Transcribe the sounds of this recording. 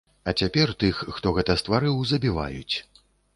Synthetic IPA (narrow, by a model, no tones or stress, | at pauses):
ɐt͡sʲapʲɛrt̪ɨxːt̪ɔɣɛt̪ɐst̪vaɾɨwzɐbʲiva̰jṵt͡sʲ